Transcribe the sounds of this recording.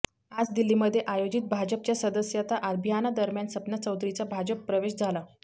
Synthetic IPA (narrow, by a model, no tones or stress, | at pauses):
ad͡zd̪ilːiməd̪ʱːjeʔajod͡ʑiːt̪̚bʱad͡ʑəp̚t͡ɕjasəd̪əsjat̪aʔəd̪bʱijanad̪əɾmjansəpnat͡səwt̪ɾit͡sabʱad͡ʑəpːɾəʋeɕd͡zʱala